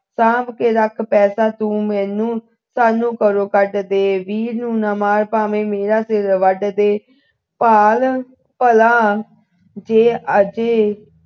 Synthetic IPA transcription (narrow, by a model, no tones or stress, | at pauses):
saːbkeːɾəkʰpɛːsaːt̪ũːmɛ̃ːnũː | saːnũːkəɾoːkəɖd̪eːʋiːɾnũːnaːmaːɾpaːmẽːmeːɾaːsɪɾʋəɖd̪eː | paːl | pəlaː | d͡ʒeːəd͡ʒeː